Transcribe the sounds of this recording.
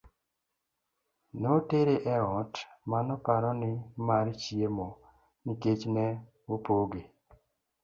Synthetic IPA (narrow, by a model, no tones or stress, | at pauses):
noteɾeʔɛɔtmanɔpaɾɔnɪmaɾt͡ʃjemɔ | niket͡ʃnɛ | opoɡe